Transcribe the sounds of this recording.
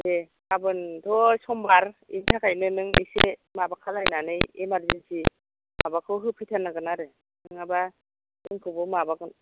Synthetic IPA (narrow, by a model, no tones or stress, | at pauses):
e | abɯntʰɔsɔmbaɾḭntʰakʰajnɯnɯŋḭsemabakʰalajnanɯjemaɾzinsʰi | mʔabakʰɯwɦɯpʰitʰanaɡɯnaɾɯ | nɯŋaba | eŋkʰɯbɯmabaɡɯn